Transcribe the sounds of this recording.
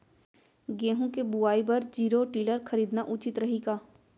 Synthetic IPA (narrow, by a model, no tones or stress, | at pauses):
ɡẽːɦũkebuaːibɐɾd͡ʒiːɾoʈiːləɾkʰəɾiːd̪naʔʊt͡ʃɪt̪ɾɐɦiːɡaː